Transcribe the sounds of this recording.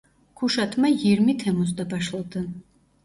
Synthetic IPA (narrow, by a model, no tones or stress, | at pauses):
kʰuʃat̪ʰmajiɾmit̪ʰɛmɔsd̪abaʃlˠad̪an